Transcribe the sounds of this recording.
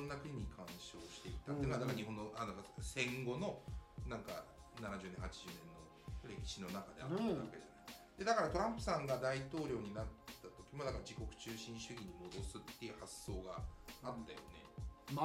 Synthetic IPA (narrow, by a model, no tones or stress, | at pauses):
nːakɯiɲ̟ːikʰãɰ̃ɕo̞ːɕi̥t̪e̞iit̪at̪ːinoad̪akaɾaɲiɦo̞nːoʔad̪akasẽ̞ŋɡo̞no̞nãŋka̰ | nanaʑɨːnẽhat͡ɕiʑɨːnẽ̞nːo̞ | ɾe̞kʲi̥ɕino̞nakad̪e̞̰a̰t̪ːaβake̞ea̰naik | d̪e̞d̪akaɾat̪o̞ɾãmpɯ̟̥sãŋɡad̪ait̪o̞ːɾʲo̞ːɲ̟inat̪ːat̪o̞kʲimo̞d̪akaɾad͡ʑiko̞kɯ̟̥t͡ɕɨːɕĩɰ̃ɕɨɡʲiɲ̟imo̞d̪o̞sɨt̪ːe̞jɯ̟hasːo̞ːɡaat̪ːajo̞̰ne̞̰